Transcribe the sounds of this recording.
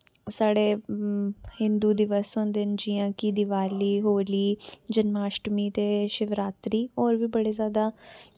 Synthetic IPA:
saːɽeː | hɪ̃nd̪uːd̪ɪʋəsɦõːnd̪end͡ʒɪjãːkid̪ɪʋaːliːɦoːliːd͡ʒənmaːʃʈmiːt̪eːʃɪʋɾaːt̪ɾiːɔːɾʋiːbəɽeːzjaːd̪aː

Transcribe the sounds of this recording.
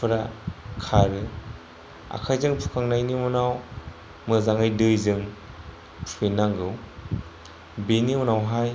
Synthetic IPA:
pʰɯɾakʰaɾe | a̰kʰajzɯŋpʰu̥kʰaŋnajnimunaw | mɯzaŋajdɯjzɯŋ | pʰuenaŋɡɯw | benimunawɦaj

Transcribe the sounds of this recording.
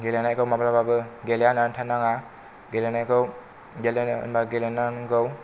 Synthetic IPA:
ɡelanajkʰowmabɾababɯɡeljanantʰanaŋa | ɡelanajkɯw | ɡelan̰nbaɡelenaŋɡɯw

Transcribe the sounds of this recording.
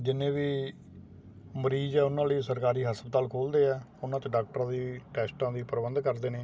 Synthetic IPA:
d͡ʒɪnẽːʋiː | məɾiːzɛːʊnãːləiːsəɾkaːɾiːɦəspət̪aːlkʰoːld̪eːɛː | ʊnãːt̪eɖaːk̚ʈɾãːd̪iːʈɛːsʈãːd̪iːpəɾbə̃nd̪kəɾd̪eːneː

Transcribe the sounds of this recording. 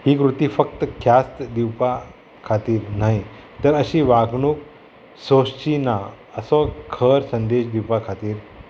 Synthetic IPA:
ɦiːkɾut̪iːfək̚t̪əkʰjast̪d̪iwpa | kʰat̪iːɾnaɦi | t̪əɾəɕiːʋaɡɳuːk̚ | sost͡ɕina | əsɔkʰəɾsənd̪eɕd̪iwpakʰat̪iːɾ

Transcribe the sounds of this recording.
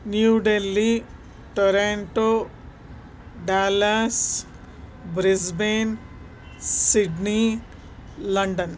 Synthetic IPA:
njuɖelːi | ʈoɾeɳʈo | ɖaːlas | bɾisben | siɖni | lɐɳɖɐn

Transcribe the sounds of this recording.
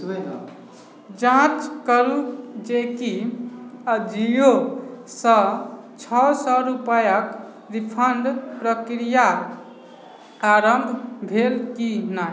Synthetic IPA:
d͡ʒãt͡ʃkəɾud͡ʒeki | d͡ʒijosə̃ | t͡ʃʰɔsɔɾupajək | ɾipʰəɳɖpɾəkɾija | aɾəmbʱbʱelkina

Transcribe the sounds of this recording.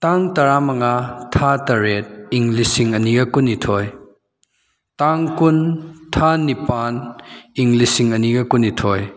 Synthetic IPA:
taŋtɐɾamɐŋatʰatɐɾet̚iŋlisiŋɐniɡɐkunːitʰoj | taŋkuntʰanipaniŋlisiŋɐniɡɐkunitʰoj

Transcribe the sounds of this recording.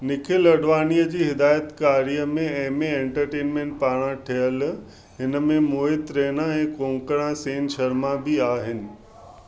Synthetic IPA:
nɪkʰɪlɐɽʋaːnijəd͡ʑiːɦɪd̪aːjət̪kaːɾijəmẽɛ̃ɦmẽẽːɳʈəɾʈeːnmẽːɳʈ̚paːɽ̃aʈʰijəl | ɦɪnə̆mẽmoːɪt̪ɾeːnãɛ̃ːkõːŋkəɽ̃ãseːnʃɐɾmabɪaːɦɪnɪ̆

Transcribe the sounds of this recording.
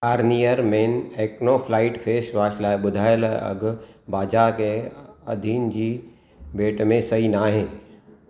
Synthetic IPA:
aːɾnijəɾmeːneːknopʰlaːɪʈfʰeːsʋaːʃlaːbʊd̪ʱaːjəlɐ̰ɡbaːd͡ʒaːɾkeɐ̰d̪ʱiːnd͡ʒi | beːʈmẽsɐinaːɦẽː

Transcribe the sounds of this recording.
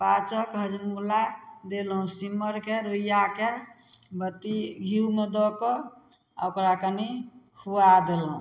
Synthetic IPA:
pat͡ʃəkɦəd͡ʒmulad̪elɦũsiməɾkeɾujake | bət̪iɡʱiumed̪ɔkɔ | a̰okɾakənikʰuad̪elɦṵ̃

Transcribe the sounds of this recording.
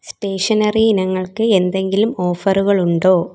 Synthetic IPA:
sʈe̞ːʂɐnɐrinɐŋːɐɭkɨe̞nd̪e̞ŋɡilumo̞ːfɐruɣɐɭuɳɖoː

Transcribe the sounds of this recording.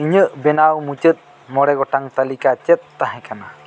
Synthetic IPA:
iɲəʔbɛnawmut͡ʃət̪̚ˀ | mɔɽɛɡɔʈaŋt̪alikat͡ʃɛt̪̚ːaɦɛ̃kana

